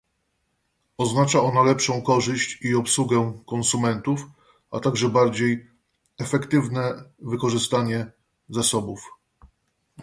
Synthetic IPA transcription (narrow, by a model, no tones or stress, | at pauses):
ɔznat͡ʂaɔnalɛpʂɔ̃w̃kɔʐɘɕt͡ɕiɔpsuɡɛkɔnsumɛnt̪uf | at̪aɡʐɛbaɾd͡ʑej | ɛfɛkt̪ɘvnɛvɘkɔʐɘst̪aɲɛ | zasɔbuf